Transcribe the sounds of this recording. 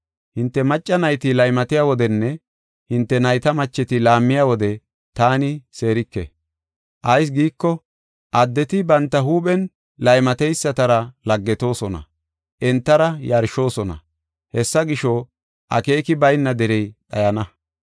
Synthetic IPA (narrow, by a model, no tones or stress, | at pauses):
hɪnt̪ːɛmɐt͡ʃʼːɐnɐjt̪ɪlɐjmɐt̪ɪjaːwɔd̪ɛnːɛ | hɪnt̪ːɛnɐjt̪ɐmɐt͡ʃːɛt̪ɪlaːmːɪjawɔd̪ɛ | t̪aːnɪse̞ːɾɪkːɛ̰ | ʔɐjs̬ɡiːkːɔ | ʔɐd̪ːɛt̪ɪbɐnt̪ːɐɦuːɓɛn | lɐjmɐt̪ɛjsːɐt̪ɐɾɐlɐɡːɛt̪o̞ːsɔnɐ̰ | ʔɛnt̪ːɐɾɐjɐɾʃo̞ːsɔnɐ̰ | hɛsːɐɡɪʃo | ʔɐ̰ke̞ːkɪbɐjnːɐd̪ɛɾɛjᶑɐjɐnɐ